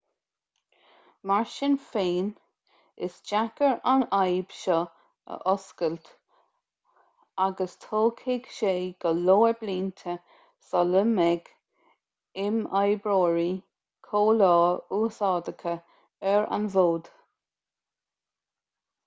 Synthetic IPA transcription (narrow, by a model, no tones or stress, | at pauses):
maɹʃɪnfeːn | ɪ̰sd͡ʒakəɹanajb̥ʃɔ | ə̰ʔɔskəlt̪ | aɡəst̪ʰoːkʰɪɡʃeːɡ̥əloːəbliːnt̪ʰə | sɔləmɛɡ̥ | ɪmajbɹoːɹi | kʰoːlɔːuːsɑːd̪əkʰə | ɛɹa̰nvoːd̪̥